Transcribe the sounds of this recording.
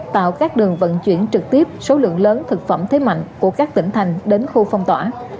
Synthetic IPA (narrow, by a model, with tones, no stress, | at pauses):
t̪a̰ː˧˨wkaː˦˥k̚ɗɨ˨˩əŋvə̰˧˨nt͡ɕwḭ˧˩ənt͡ɕɨ˨˩k̚t̪i˦˥əp̚so˨˦lɨ̰˧˨əŋləː˨˦nt̪ʰɨ˨˩k̚fə˧˩mt̪ʰe˨˦ma̰˧˨jŋ̟ku˧˩əkaː˦˥k̚t̪ï˧˩ŋt̪ʰa˨˩jŋ̟ɗe˨˦nxu˧fa˧wŋ͡mt̪wa̰ː˧˩